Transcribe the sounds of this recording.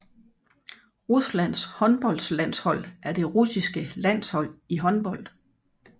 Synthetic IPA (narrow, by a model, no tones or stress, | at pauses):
ʁuslæn̰shɒ̽nb̥ɒ̽l̰d̥slæn̰shɒ̽l̰æɐd̥e̝ʁusisɡ̥əlæn̰shɒ̽l̰iɦɒ̽nb̥ɒ̽l̰d̥